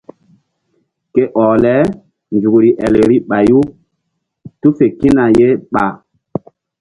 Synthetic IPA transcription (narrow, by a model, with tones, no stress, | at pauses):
ke˦ʔɔ˨lɛ˨˦ | nd͡ʒu˨kɾi˨ʔɛ˨le˨ɾi˦ɓa˨ju˦ | tu˦fe˨ki˦na˨je˦ɓa˨